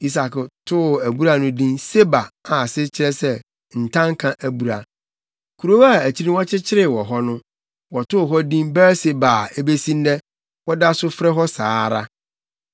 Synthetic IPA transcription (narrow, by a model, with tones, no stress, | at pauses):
i˦s̬a˨ktʰʊ˦˨æ˨bu˦ɾa˦nʊ̃˦dĩ˦nse˦ba˨a˨sɪ˦t͡ɕʰɪ˦ɾɛ˦sɛ˦ | n̩˨tʰã˦ŋ˦kʰã˦ʔæ˨bu˨ɾa˨ | kʰu˨ɾo˦wa˨æ˨t͡ɕʰi˦ɾĩ˦wɔ˦t͡ɕʰɪ˦t͡ɕʰɪ˦ɾɪ˨wɔ˨ɦɔ˦nʊ̃˦ | wɔ˨tʊ˦˨ɦɔ˦dĩ˦mbɛ˦se˦ba˨e˦be˦sĩ˦n˦dɛ˦ | wɔ˦da˦sʊ˦fɾɛ˦ɦɔ˦saː˨˦˨ɾa̰˦